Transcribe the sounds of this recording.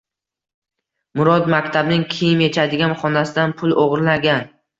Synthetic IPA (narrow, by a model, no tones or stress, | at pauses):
mʊɾɒd̪makʲt̪ʰabnɪŋkʲʰejɪmje̞t͡ʃʰad̪ɪɡʲanχɒnasɪd̪anpʰʊlˠoʁɾlaɡʲan